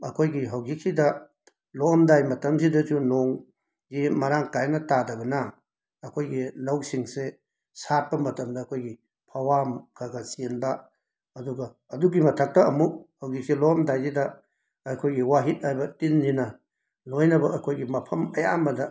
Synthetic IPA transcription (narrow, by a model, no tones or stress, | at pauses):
ɐ̰kʰojɡiɦawɡik̚sidɐ | lɔmdajmɐtɐmzidɐzunoŋ | ɡimɐɾaŋkajnɐtadɐɡɐnɐ | ɐkʰojɡilɐwsiŋse | sat̚pɐmɐtɐmdɐːkʰojɡi | pʰɐwamkʰaɡɐsinba | ɐduɡɐːduɡimɐtʰɐk̚tɐɐmuk̚hawɡik̚silɔmdajzidɐː | kʰojɡiwaɦit̚ajbɐtinːinɐ | lojnɐbɐʔɐkʰojɡimɐpʰɐmɐja̰mɐdɐ